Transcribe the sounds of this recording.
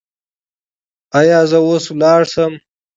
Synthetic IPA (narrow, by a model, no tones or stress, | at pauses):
ajɑːzəwoswlɑːɽsəm